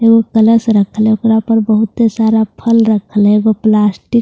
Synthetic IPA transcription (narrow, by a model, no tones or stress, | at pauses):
eɡokələsɾəkʰəleokɾapəɾbəɦut̪esaɾapʰəlɾəkʰəleɡoplasʈik